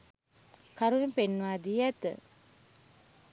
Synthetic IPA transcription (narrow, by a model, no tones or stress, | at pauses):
kaɾuʋepenːuʋaːd̪iɛt̪ə̰